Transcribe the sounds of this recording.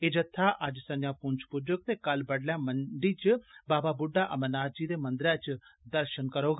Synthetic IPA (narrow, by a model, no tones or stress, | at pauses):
ed͡ʒət̪ʰːaːʔəd͡ʒsənjãːpʊɲt͡ʃʰpʊd͡ʒʊk̚t̪eːkəlbəɽljãːməɳɖiːt͡ʃbaːbaːbʊɖːaːʔəmənaːd͡ʒiːd̪eːmə̃nd̪ɾɛ̃ːt͡ʃd̪əɾʃənkəɾoːɡ